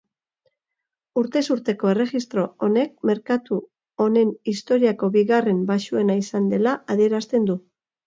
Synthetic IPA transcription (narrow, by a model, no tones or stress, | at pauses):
uɾt̪e̞suɾt̪e̞ko̞e̞re̞ɣist̪ɾo̞one̞k̚me̞ɾkat̪u | o̞ne̞nist̪o̞ɾiako̞βiɣare̞mbaʃue̞naisand̪e̞laaðie̞ɾast̪e̞nd̪u